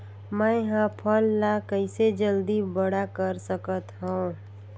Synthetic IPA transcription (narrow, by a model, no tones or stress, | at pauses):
mə̃ɪɦãpʰəlːakəɪsed͡ʒəld̪ibəɽakəɾsəkət̪ɦõũ